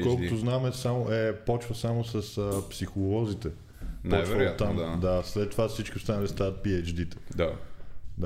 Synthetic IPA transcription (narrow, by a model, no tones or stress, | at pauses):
kɔlˠkot̪ʊznamɛsamʊʔɛpɔt͡ʃvəsamosɐsəpsixʊlˠɔzit̪ɛ | npɔt͡ʃvvəat̪ːamd̪aslɛt̪ːovafsit͡ʃkiʊst̪anəlʲist̪avət̪̚piɛd͡ʒd̪it̪ɛ̥d̪ad̪a